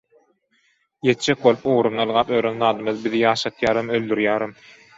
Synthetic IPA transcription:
je̞t̪d͡ʒek̚bolˠupoʁɾunɑlˠʁɑːpøːɾønðɑːd̪ɯmɯðbiðijɑːʃɑt̪ʰjɑːɾɯmøld̪yɾjæːɾɯm

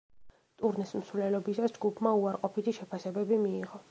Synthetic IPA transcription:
t̪ʼuɾnɛsm̩svlɛlɔbisasd͡ʒɡupʰmauaɾqʼɔpʰit̪ʰiʃɛpʰasɛbɛbimiːʁɔ

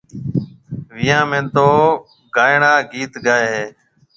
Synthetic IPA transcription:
ʋɪjãːmẽːt̪oː | ɡaːɪɳaːɡiːt̪ɡaːeːɦeː

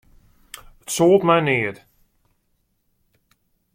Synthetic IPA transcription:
ətsoːlˠtmɛjnɪət

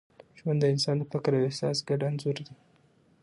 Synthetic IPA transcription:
ʒmand̪əɪnsɑnd̪əfɪkɾawehsɑsɡaɖanzoɾd̪i

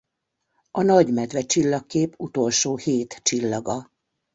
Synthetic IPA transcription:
ɒnɒɟmɛd̪ʋɛt͡ʃilːɒkːeːput̪o̞lʃoːheːt̪t͡ʃilːɒɡɒ

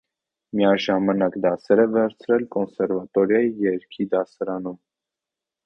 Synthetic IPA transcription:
miɑʒɑmɑnɑkd̪ɑsɛɾɛvɛɾt͡sʰɾɛlkɔnsɛɾvɑt̪ɔɾjɑijɛɾkʰid̪ɑsɑɾɑnum

